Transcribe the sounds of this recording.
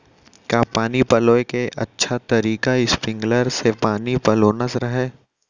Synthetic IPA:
kaːpaːnipɐloːekeʔɐ̰tːʃʰat̪ɐɾiːkaɪspɾɪ̃ŋɡləɾsepaːnipɐloːnəsɾɐɦɛː

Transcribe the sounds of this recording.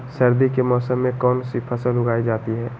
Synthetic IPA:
sɐɾd̪ikemɔːsəmːẽkɔːnsipʰɐsəlʊɡaːid͡ʒaːt̪iɦɛː

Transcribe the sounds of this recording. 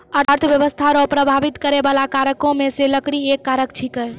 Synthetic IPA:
əɾəɾt̪ʰʋjəʋəst̪ʰaɾõpɾəbʱaʋit̪kəɾebalakaɾəkõmeseləkɽiekːaɾəkt͡ʃʰikəj

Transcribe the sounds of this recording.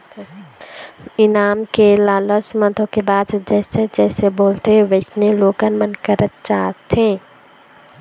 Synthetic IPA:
ɪnaːmkelaːləsmət̪ʰõkebaːd̪d͡ʒɛːsed͡ʒɛːseboːlt̪eʋɪt͡ʃneloːkənmənkəɾət̪̚t͡ʃaːt̪ẽː

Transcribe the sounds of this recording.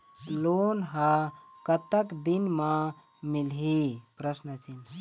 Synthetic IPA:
lonɦa | kət̪əkd̪inmã | milɦipɾəsnət͡ʃint̪ʰ

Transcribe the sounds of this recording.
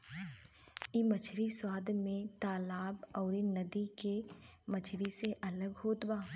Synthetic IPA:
imət͡ʃʰɾiswaːd̪mẽt̪aːlaːbɔːɾinɐd̪ike | mət͡ʃʰɾiseʔɐləɡɦoːt̪baː

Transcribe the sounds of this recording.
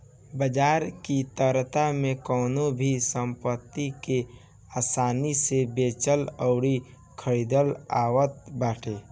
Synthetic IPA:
bəd͡ʒaːɾkit̪əɾt̪amẽkəʊnobʱisə̃mpət̪ːike | aːsaːnisebeːt͡ʃələʊɾi | kʰəɾiːd̪əlaːwət̪̚baːʈʰeː

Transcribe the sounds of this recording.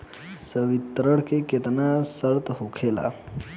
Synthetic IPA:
səʋit̪ɾəɽkeket̪nasəɾt̪ɦokʰela̰

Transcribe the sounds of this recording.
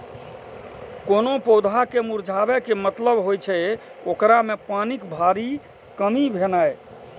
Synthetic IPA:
konopɔwd̪ʱakemuɾd͡ʒʱabɛkemət̪ləbɦojt͡ʃʰɛokɾamepanikbʱaɾi | kəmibʱenaj

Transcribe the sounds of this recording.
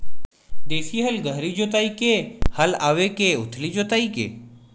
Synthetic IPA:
d̪eːsiɦɐlɡʱəɦɾiːd͡ʒoːt̪aːikehɐlaːʋekeʊt̪ʰlid͡ʒoːt̪aːikḛː

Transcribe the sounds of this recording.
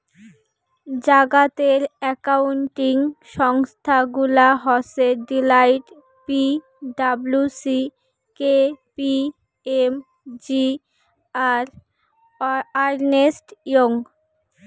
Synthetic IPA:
d͡ʑaɡat̪eɾɛkawuɳʈiŋʃɔŋst̪ʰaɡulaɦɔseɖilajʈ | pi | ɖablusi | kepi | em | d͡ʑi | aɾ | aɾnesʈjoŋ

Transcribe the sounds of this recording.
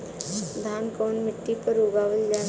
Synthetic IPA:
d̪ʱaːnkoːnmɪʈːipəɾuɡaːʋəld͡ʒaː

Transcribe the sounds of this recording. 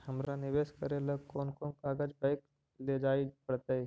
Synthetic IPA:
həmɾanɪʋeːʃkəɾeləkoːnkoːnkaːɡad͡ʒbaɪk | led͡ʒaːipəɽt̪ae

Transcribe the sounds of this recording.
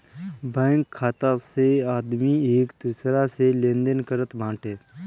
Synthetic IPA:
bɛ̃ːŋkʰːaːt̪aseaːd̪mieːkd̪uːsɾaselẽːnd̪ənkəɾət̪bʱãːʈeː

